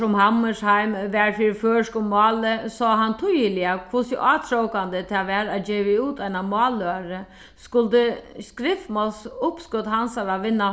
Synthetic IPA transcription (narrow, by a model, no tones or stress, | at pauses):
ʊmhamːəʂhaɪmʋɛɹfiːɾføːskʊmmɑːləsɔːɦant̪ʰʊjəlɪakʰʋʊsɪʔɑːt̪ʰɾowkand̪ət̪ʰaːʋɛːɾad͡ʒeːʋɪuːt̪ʰaɪnamɑːlaɾə | skʊlt̪əskɾɪft̪mɔlsʊpskʊd̪hansaɾaʋɪnːa